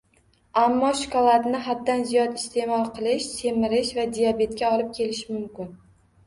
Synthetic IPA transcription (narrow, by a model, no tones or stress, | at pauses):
amːɒʃɪ̥kʰɒlˠat̪nɪɦad̪ːanzijɒt̪ɪst̪ʰe̞mɒlˠqʰɨlˠɪʃsʰe̞mɪɾɪʃvad̪ijabe̞t̪̚kʲaɒlˠɪp̚kʲʰe̞lɪʃɪmʊmkʲɪn